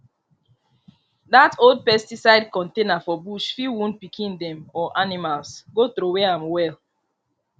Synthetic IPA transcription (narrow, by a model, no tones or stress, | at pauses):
datʰold̚pɛstisaɪdkɔ̃ntenafɔbuʃfiwũnpikʰĩndɛ̃mɔʔanimalsɡotɾuwɛãmwɛl